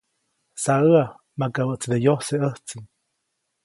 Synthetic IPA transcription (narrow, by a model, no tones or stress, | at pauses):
saəa | makabəʔt͡sd̪ejoseəht͡sin